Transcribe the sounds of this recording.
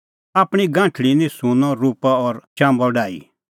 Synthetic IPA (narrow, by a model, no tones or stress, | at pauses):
aːpɽ̃iɡãːʈʰɭinĩsũnɔɾuːpaɔɾt͡ʃãːmbɔɖaːḭ